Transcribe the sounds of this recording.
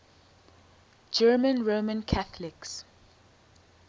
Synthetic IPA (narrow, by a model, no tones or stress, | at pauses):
d͡ʒɜːmə̃nɹoːmə̃nkʰaθəlɪks